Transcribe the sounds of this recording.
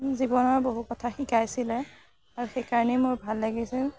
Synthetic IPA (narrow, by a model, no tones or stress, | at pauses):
zibɔnɔɹboɦukɔtʰaxikajsilɛ | aɹuxejkaɹɔnɛmʊɹbʱalːaɡisil